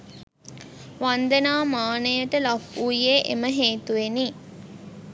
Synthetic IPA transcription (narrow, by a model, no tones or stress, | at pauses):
ʋand̪ənaːmaːnəjəʈəlafuijeːʔḛməɦeːt̪uʋeni